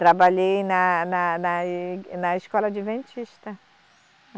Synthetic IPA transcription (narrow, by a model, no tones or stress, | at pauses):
t̪ɾabaʎejnɐnɐnɐnɐiskɔlɐd͡ʒɪvẽnt͡ʃiʃt̪ɐ